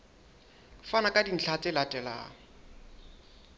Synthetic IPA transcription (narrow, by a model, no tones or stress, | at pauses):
fanakʼadin̩t͡ɬʰat͡sʼɪlatʼɛla̰ːŋ